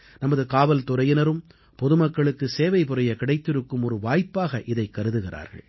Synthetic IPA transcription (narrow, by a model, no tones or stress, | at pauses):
nɐmɐðɯkaːʋɐlt̪ʊɾɐjɪnɐɾɯm | pɔðɯmɐkːɐɭɯkːɯseːʋɐɪpɯɾɐjɐkɪɽɐɪt̪ːɪɾɯkːɯmɔɾɯʋaːjpːaːɣɐʔɪðɐɪkːɐɾɯðɯɣɪra̰ːɾɣɐ̰ɭ